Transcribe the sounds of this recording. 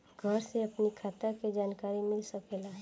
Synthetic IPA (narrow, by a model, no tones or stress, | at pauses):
ɡʱəɾseɐpnikʰaːt̪aked͡ʒaːnkaːɾimɪlsɐkeːlaː